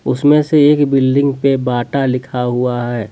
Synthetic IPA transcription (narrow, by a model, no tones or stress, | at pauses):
ʊsmẽseeːkbɪlɖɪ̃ŋɡpebaːʈalɪkʰaɦuaɦɛː